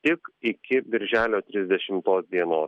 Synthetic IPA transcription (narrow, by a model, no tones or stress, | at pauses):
t̪ʲɪkɪkʲɪbʲɪɾʲʒʲæːlʲoːt̪ʲɾʲɪzʲd̪ʲɛʃʲɪmt̪oːsd̪ʲiɛnoːs